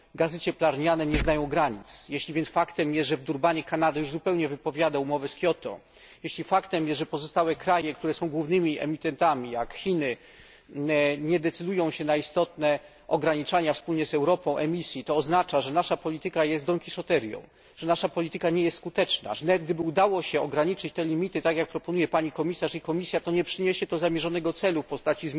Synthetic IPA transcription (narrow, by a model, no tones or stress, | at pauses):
ɡazɘt͡ɕɛplaɾɲanɛɲɛznajɔ̃w̃ɡɾaɲit̪sjeɕlʲivʲjɛnsfakt̪ɛmjɛst̪ʐɛvd̪uɾbaɲɛkanad̪ɛjuʐzupɛwɲɛvɘpɔvʲjad̪aumɔvɛskʲjɔt̪ɔ̰ | jeɕlʲifakt̪ɛmjɛst̪ʐɛpɔzɔst̪awɛkɾajɛkt̪uɾɛsɔ̃w̃ɡwuvnɘmʲiʔɛ̰mʲit̪ɛnt̪amʲijakxʲinɘ | ɲɛd̪ɛt̪sɘd̪ujɔ̃w̃ɕɛnaist̪ɔt̪nɛ | ʔɔɡɾaɲit͡ʂaɲafspulɲɛzɛwɾɔpɔ̃w̃ʔɛmʲisʲjit̪ɔːznat͡ʂaʐɛnaʂapɔlʲit̪ɘkajɛst̪ɔŋkʲiʂɔt̪ɛɾjɔ̰̃w̃ | ʐ̥ɛnaʂapɔlʲit̪ɘkaɲɛjɛst̪skut̪ɛt͡ʂna̰ʐnɛɡ̚d̪ɘbɘud̪awɔɕɛɔɡɾaɲit͡ʂɘt͡ɕt̪ɛlʲimʲit̪ɘt̪akjak̚pɾɔpɔnujɛpaɲikɔmʲisaʂikɔmʲisʲjat̪ɔɲɛpʂɘɲeɕɛt̪ɔzamʲjɛʐɔnɛɡɔt̪sɛlufpɔst̪at͡ɕiz